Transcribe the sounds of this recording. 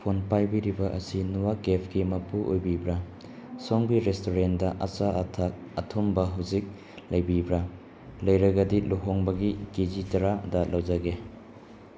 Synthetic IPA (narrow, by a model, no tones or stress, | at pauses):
pʰonpajbiɾibɐʔɐsinuwaɡepʰɡimɐpuʔojbibɾɐ | soŋbiɾestoɾendɐʔɐt͡ʃaʔɐtʰak̚ɐtʰumbɐɦawzik̚ | lɐjbibɾɐ | lɐjɾɐɡɐdiluɦoŋbɐɡiɡizitɐɾadɐlawd͡ʒɐɡe